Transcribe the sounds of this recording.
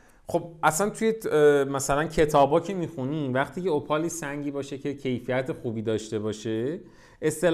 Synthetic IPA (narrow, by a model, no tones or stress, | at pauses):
χo̞bʔæsænt̪ʰujemæsælæncʰe̞t̪ʰɒːbɒːcʰe̞miːxuniːmvæχt̪ʰiːceopʰɒːlisæŋɟiːbɒːʃe̞cʰe̞cʰe̞jfijæt̪ʰe̞xubiːd̪ɒːʃt̪e̞bɒːʃe̞ | ʔe̞st̪e̞l